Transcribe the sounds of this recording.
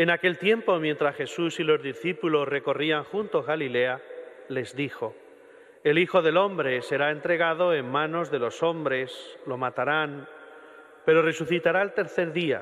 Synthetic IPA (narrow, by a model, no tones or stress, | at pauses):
e̞nake̞lt̪je̞mpo̞mje̞nt̪ɾasxe̞susilo̞zðiθipulo̞sre̞ko̞riaŋxunt̪o̞zɣalile̞a | le̞zðixo̞ | elixo̞ðe̞lõ̞mbɾe̞se̞ɾae̞nt̪ɾe̞ɣ̞að̞o̞e̞mːãno̞zðe̞lo̞so̞mbɾe̞slo̞mat̪aɾan | pe̞ɾo̞re̞suθit̪aɾaelt̪e̞ɾθeɾðia̰